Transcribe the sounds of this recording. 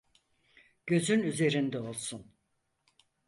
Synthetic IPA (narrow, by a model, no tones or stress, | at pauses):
ɟ̥ø̞zynyze̞ɾind̪ɛo̞lˠsun